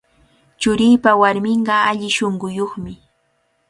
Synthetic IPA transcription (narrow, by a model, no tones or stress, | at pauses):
t͡ʃʊɾɪjpawaɾmɪɴɢɑaʎɪʃoɴɢʊjoχmɪ